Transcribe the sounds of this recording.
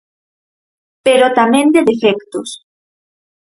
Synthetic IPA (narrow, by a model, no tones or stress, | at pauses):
peɾot̪amẽnd̪eðefekt̪os